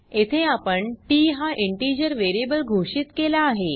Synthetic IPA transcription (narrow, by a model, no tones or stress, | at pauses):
et̪ʰeapəɳʈiːɦaʔiɳʈid͡ʑəɾʋeɾiebəlɡʱoʂit̪kelaːɦe